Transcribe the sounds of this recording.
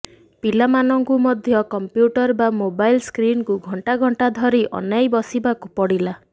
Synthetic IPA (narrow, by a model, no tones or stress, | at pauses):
pilamanɔŋkumɔd̪ʱjɔkɔmpjuʈɔɾbamobajlskɾinkuɡʱɔɳʈaɡʱɔɳʈad̪ʱɔɾiʔɔ̰najbɔsibakupɔɽila